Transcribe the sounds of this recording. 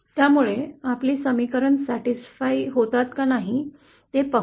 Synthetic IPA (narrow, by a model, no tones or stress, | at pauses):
t̪jamuɭeapliːsəmikəɾəɳsæʈisfaiɦot̪at̪kanaɦi | t̪epə